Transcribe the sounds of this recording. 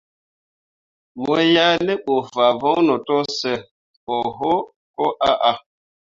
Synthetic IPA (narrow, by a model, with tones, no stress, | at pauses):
mɔ˦ja˦le˦ɓo˨fa˨vɔ˦nɔ˨tɔ˦sɛ˨ | ɓɔ˨ɦo˦ | kɔ˦ʔa˦ʔa˨